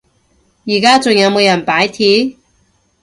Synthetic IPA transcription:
jiː˨˩kaː˥t͡sʊ˨ŋjɐ˨˧wmo˨˧wjɐ˨˩npaː˨˥jt̪ʰiː˨˥

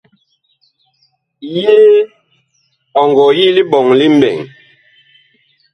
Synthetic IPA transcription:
jeː˦ | ɔ˨ŋɡɔ˨ji˦li˦ɓɔ˨ŋli˦m̩˦bɛ̰˨ŋ

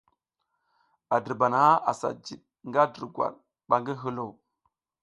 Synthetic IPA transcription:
a˨də˨ɾba˨na˨˦ʔa˨sa̰˨d͡ʒi˨ɗ | ŋɡa˦də˨ɾɡwa̰˨ɾ | ɓa˨ŋɡi˦ɦə˦lo˦˨w

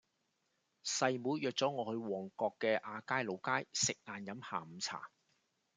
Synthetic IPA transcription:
sɐ˨jmuː˨˥jjœː˨˧k̚t͡sɔː˨˥ŋɔː˨˧hɵ˧ɥwɔː˨˩ŋkɔː˧kːɛː˧ʔaː˨˧kaː˥jlo˨˧wkaː˥jsɪ˨k̚laː˨˩njɐ˨˥mha̰ː˨m̩˨˧t͡sʰa̰ː˨˩

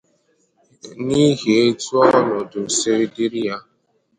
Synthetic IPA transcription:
ni˦ɣe˨e˦tu˦ɔ˦nɔ˨dʊ˨se˦ɾi˦di˦ɾi˦ja˦

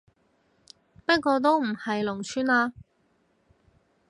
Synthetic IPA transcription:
pɐ˥t̚kɔː˧t̪̬o˥wm̩˨˩hɐ˨jlʊ˨˩ŋt͡ʃʰyː˥nlaː˧

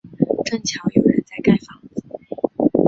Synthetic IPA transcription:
ʈ͡ʂɤ˥˩ŋt͡ɕʰjɑ˧˥ʊjo˨˩ʊɻə̰˧˦nt͡sa˥˧ɪka˥˩ɪfɑ˨˥ŋt͡s̩˨˩˧

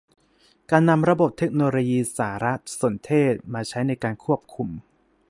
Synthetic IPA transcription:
kaː˧nːa˧mɾa˧bo˨˩p̚t̪ʰe˦˥k̚noː˧loː˧jiː˧saː˩˦ɾa˦˥t̪̚su˨˩˦nt̪ʰeː˥˩t̪̚maː˧t͡ɕʰa˦˥jna˧jkaː˧nkʰu˥˩əp̚kʰu˧m

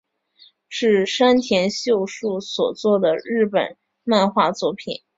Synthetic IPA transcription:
ʂɻ̩˥˩ʂa˥nt̪ʰjɛ˧˥nɕjo˥˧ʊʂu˥˩swɔ˨˩t͡swɔ˥˩d̪ə˩ɻɻ̩˥˩pə̰˨˩˦n | ma˥˧nxwa˥˧t͡swɔ˥˩pʰḭ˨˩˦n

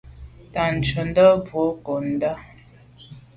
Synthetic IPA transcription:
ta˨n̩˨t͡ʃə˨n˦də˦bwo˨˦ko˨n̩˨˦da˦

